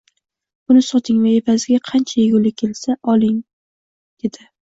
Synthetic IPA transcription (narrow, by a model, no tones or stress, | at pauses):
ʊnɪsɒt̪ʰɪŋvajepʰazɪɡʲaqʰɑnt͡ʃʰajeɡʲʊlɪkʲʰe̞lsaʔɒlˠɪŋ | d̪̥e̞d̪̥ɪ